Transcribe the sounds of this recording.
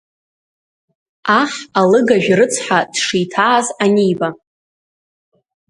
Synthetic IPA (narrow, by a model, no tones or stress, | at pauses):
aχalɨɡaʒᶣrɨt͡sʰħad̥ʂijtʰaːzanijba